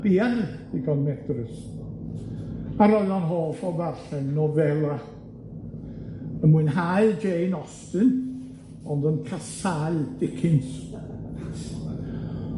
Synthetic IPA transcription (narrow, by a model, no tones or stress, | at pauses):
b̥iːard̥ɪɡɔnmɛdrəs | aɾɔɨɔnɦoːfɔvaɬɛnnɔvɛlˠa | əmuɨnɦaɨd͡ʒejnɔstɨn | ɔndənkʰasaɨd̥ɪkʰɪns